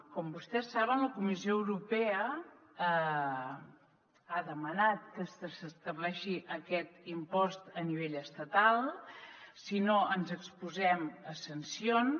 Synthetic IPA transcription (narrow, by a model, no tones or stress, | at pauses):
kɔmbust̪ɛsːaβənləkumizioəwɾupɛə | aðəmənat̪̚kəsəsəst̪əβlɛʃiʔəkɛt̪impɔst̪əniβ̞eʎəst̪ət̪alˠ | sinoʔənzəkspuzɛməsənsion